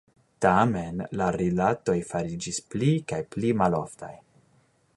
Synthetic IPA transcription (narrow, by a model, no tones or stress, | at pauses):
tame̞nlaɾilato̞jfaɾid͡ʒisplikajplimalo̞̰fta̰j